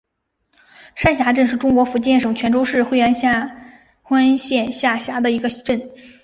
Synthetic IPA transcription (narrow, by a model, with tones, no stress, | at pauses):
ʂa˥˩nɕja˧˥ʈ͡ʂə˥˧nʂɻ̩˥˩ʈ͡ʂʊ˥ŋkwɔ˧˥fu˧˥t͡ɕjɛ˥˩nʂɤ˨˩ŋt͡ɕʰɥɛ˧˥nʈ͡ʂo˥ʊʂɻ̩˥˩xwe˥˧ɪɥɛ˥nɕja˥˧ | xwa˥nɕjɛ˥˧nɕja˥˩ɕja˧˥d̪ə˧˨i˧˥ɡə˧ʈ͡ʂə˥˩n